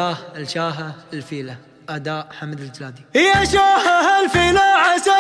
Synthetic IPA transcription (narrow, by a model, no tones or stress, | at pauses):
aːhɪlʃaːɦaɪlfiːla | ʔad̪aːʔħamd̪ɪld͡ʒlaːd̪ihɪjːaʃaːhaɦalfiːlaʕasa